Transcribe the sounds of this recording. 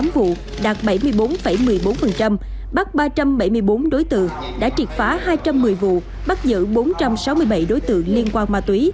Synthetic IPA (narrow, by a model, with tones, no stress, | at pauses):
a˨˦mvṵ˧˨ | ɗaː˨˩t̚ɓa˧˩jmɨ˧əjɓo˨˦nfə˧˩jmɨ˨˩əjɓo˨˦nfə˨˩nt͡ɕa˧m | ɓa˦˥t̚ɓaː˧t͡ɕa˧mɓa˧˩jmɨ˧əjɓo˨˦nɗo˨˦jt̪ɨ̰˧˨əŋ | ɗa̰ː˧˥t͡ɕi˨˩t̚faː˨˦haː˧jt͡ɕa˧mːɨ˨˩əjvṵ˧˨ | ɓa˦˥t̚zɨ̰˧˥ɓo˨˦nt͡ɕa˧msa˨˦wmɨ˧əjɓa˧˩jɗo˨˦jt̪ɨ̰˧˨əŋli˧ənkwaː˧nmaː˧t̪wi˨˦